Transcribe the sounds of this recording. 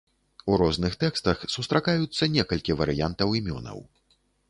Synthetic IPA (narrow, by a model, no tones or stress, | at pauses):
uɾɔznɨxt̪ɛkst̪ɐxsust̪ɾakajut̪sːɐnʲɛkɐlʲkʲivɐɾɨjant̪ɐwimʲɔ̰nɐ̰w